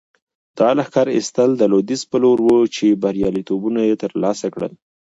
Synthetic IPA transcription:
d̪̥ɑlaxkɑɾɪ̰st̪əld̪əlod̪ispəloɾwət͡ʃebaɾjɑlit̪obunajet̪əɾlɑsakɽə̰l

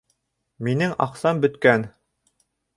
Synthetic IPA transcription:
minɘŋɑ̰qsɑmbɵ̆t̪kæn

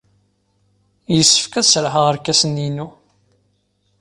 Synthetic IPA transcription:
jəsːə̥fkæðsɾɦəʁəɾkːæsəninu

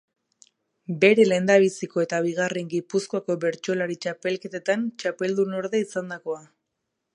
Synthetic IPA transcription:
be̞ɾe̞le̞nd̪aβ̞isiko̞e̞t̪aβ̞iɣare̞ŋɡipuskoako̞βe̞ɾt͡ʃo̞laɾit͡ʃape̞lke̞t̪e̞t̪ant͡ʃape̞ld̪uno̞ɾðeisand̪ako̞a

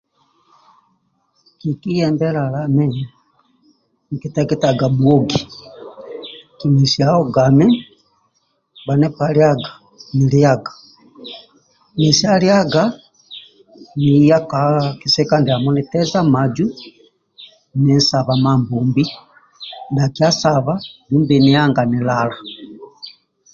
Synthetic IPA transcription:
kikijɛmbɛɾalamɛ | ŋkitaɡɛtaɡamwoɡi | kimisiaɔɡamɛ | βanɛpaɾjaɡḁ | niɾiaɡḁ | nisialjaɡa | nijakakisɛkandiamɔnitɛzamad͡ʒu | nɛnsaβamambuːmbi | ndakiasaβadumbiniaŋɡanilala

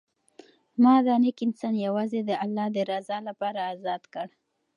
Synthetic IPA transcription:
mɑd̪ɑnɪkɪnsɑnjawɑzed̪əalːɑd̪əɾazɑlapɑɾaːzɑd̪kəɽ

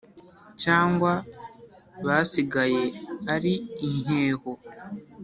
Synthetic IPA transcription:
caːŋɡwa | βasiɡaje̞aɾiːɲe̞ːho

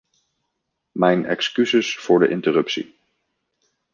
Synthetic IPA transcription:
mɛjnɛ̰kskyzəsfʊːɹdə̰ʔɪntərɵpsḭ

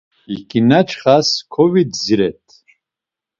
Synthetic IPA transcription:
ikʼinat͡ʃʰχaskʰɔvid̪ziɾɛt̪ʰ

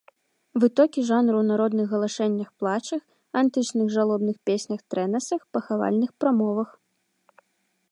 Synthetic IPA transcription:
vɨt̪ɔkʲiʐanɾɨwnaɾɔd̪nɨɣɣɐlˠaʂɛnʲːɐxplˠat͡ʂɐx | ant̪ɨt͡ʂnɨɣʐalˠɔbnɨxpʲesʲnʲɐxt̪ɾɛnɐsɐxpɐxava̰lʲnɨxpɾamɔvɐx

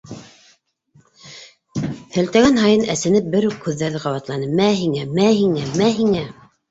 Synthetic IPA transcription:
hæ̆lt̪æɡænɦɑjɤnæsɘ̆nɘp̚bɘɾʉkhʉðːæɾðɘqɑwɑt̪lˠɑnɤmæɦiŋæmæhiŋæmæɦiŋæ

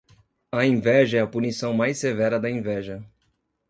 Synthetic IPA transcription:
ɐẽvɛʒɐɛɐpunisɐ̃w̃majsevɛɾɐd̪ɐẽvɛʒɐ

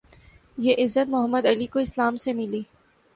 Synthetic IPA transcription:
jeʔɪzːət̪mʊɦəmːəd̪ɐlikoɪslaːmsemɪliː

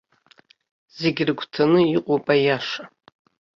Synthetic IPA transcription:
z̥e̞ɡʲrɡʷʰtʰanɨiqʷʼopʼajaʂa

